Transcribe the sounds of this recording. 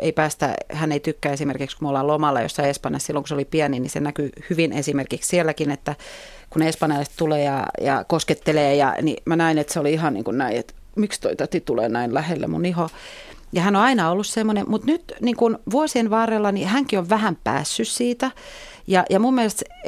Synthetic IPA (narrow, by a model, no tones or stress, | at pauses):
ḛipæːst̪æ̰hæneit̪ykːæesimerkikskumolːɑlomɑlːɑ̰jo̰sːɑiespɑnjɑssilːoŋkusolipiæninḭsḛnækyhyʋinesimerkikssielːækinet̪ːæ | kunespɑnjɑlːˑest̪t̪uleːjɑ̰jɑ̰kosket̪ːeleːjɑ̰nḭmænæinet̪seoliihɑnnḭːŋkunnæiḛt̪ | mikst̪o̰it̪æt̪it̪ulḛːnæinlæhelːḛmṵniho | jɑhænoɑinɑolːussemːonemmut̪nyt̪niːŋkunʋuosienʋɑːrelːɑnihæŋkioʋʋæhæmpæ̰ːsːyssiːt̪æ | jɑjɑmumːielest̪s